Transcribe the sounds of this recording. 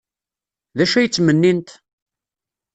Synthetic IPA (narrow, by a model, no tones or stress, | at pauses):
ðæʃæjət͡sːmənːint̪